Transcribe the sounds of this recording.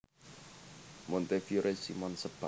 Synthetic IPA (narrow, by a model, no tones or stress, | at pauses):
mont̪efjuɾʔesḭmɔnsəb̥a